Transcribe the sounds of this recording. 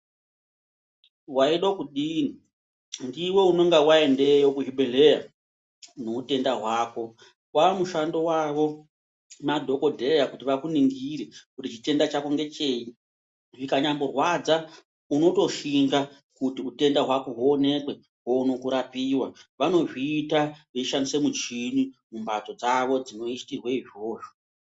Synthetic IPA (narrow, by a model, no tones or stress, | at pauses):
waiɗokuɗiːni | ndiwe̞uno̞ŋɡawae̞ndejokuɦiɓʱele̞ja | no̞ute̞ndaɦwaːko̞ | wamuʃando̞waʋo | madʱo̞ko̞dʱeejakutiʋakuniŋɡiɾekutit͡ʃite̞ndat͡ʃakoŋɡe̞t͡ʃe̞i | ʐikaɲambo̞rwad͡za | uno̞to̞ʃiŋɡa | kutiute̞ndaɦwako̞ɦuone̞kwe̞ | ɦounokuɾapiːwaʋano̞ʐiːtaʋeiʃandisemut͡ʃinimumbat͡so̞d͡zaʋo̞d͡zino̞istirweiʐoːʐo̥